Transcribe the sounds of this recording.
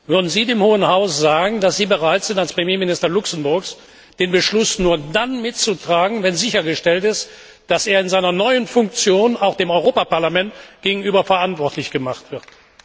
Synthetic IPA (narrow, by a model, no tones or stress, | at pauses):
vʏɐdn̩ziːdeːmhoːənhaʊsz̥aːɡŋ̩dasz̥iːbəʁaɪtz̥ɪntalspʁ̥emjeːmɪnɪstɐlʊksn̩bʊɐks | d̥eːnbəʃlʊsnuːɐdanmɪtt͡sutʁ̥aːɡŋ̩vɛnzɪçɐɡəʃtɛltɪst | d̥aseːɐɪnzaɪnɐnɔʏənfʊŋkt͡sjoːnaʊxd̥eːmɔʏʁoːpapaɐlamɛntɡ̥eːɡŋ̩yːbɐfɐʔantv̥ɔɐtʰlɪçɡ̥əmaχtv̥ɪɐt